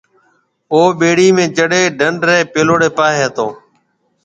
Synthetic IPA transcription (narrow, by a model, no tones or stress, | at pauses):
oːɓeːɽiːmẽːt͡ʃəɽeːɖəɳɖɾeːpeːloːɽeːpaːɦeːət̪oː